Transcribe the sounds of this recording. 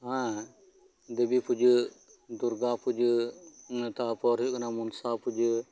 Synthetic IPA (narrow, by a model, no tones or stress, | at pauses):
ɦã | d̪ebiːpʰʊd͡ʒ | d̪ʊɾɡaːpʰʊd͡ʒ | nt̪apɔːɾiknamʊnsaːpʰʊd͡ʒ